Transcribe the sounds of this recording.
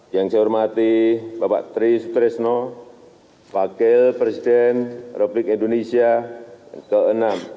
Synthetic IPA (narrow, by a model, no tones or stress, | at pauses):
jaŋsajurmat̪ibapa̰ʔt̪ɾisut̪ɾɛsnɔ | wakɛlpɾesidɛnrepublɪkindonesia | kəənam